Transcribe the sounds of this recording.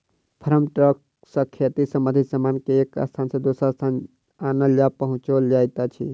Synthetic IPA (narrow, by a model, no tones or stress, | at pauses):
pʰəɾəmʈɾək | səkʰjət̪isəmbənd̪ʱisəmankeːka̰st̪ʰansẽd̪osɾast̪ʰan | anəljapəɦũt͡ʃold͡ʒajt̪at͡ʃʰḭ